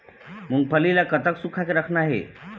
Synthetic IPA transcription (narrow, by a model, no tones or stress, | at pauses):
muːɡ̚pʰəlilakət̪əksukʰakeɾəkʰnaɦḛ